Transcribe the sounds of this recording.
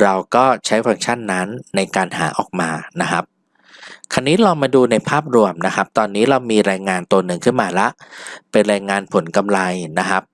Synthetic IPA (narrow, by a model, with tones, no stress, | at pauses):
ɾa˧wkɔː˥˩t͡ɕʰa˦˥jfa˧ŋt͡ɕʰa˥˩nːa˦˥nːa˧jkaː˧nha̰ː˩˦ʔɔː˨˩k̚maː˧na˦˥kʰa˦˥p̚ | kʰa˧nːiː˦˥lɔː˧ŋmaː˧duː˧na˧jpʰaː˥˩p̚ɾu˧əmna˦˥kʰa˦˥p̚t̪ɔː˧nːiː˦˥ɾa˧wmiː˧ɾaː˧jŋaː˧nt̪u˧ənɯ˨˩ŋkʰɯ˥˩nmaː˧la˦˥ʔpe˧nɾaː˧jŋaː˧npʰo˩˦nka˧mla˧jna˦˥kʰa˦˥p̚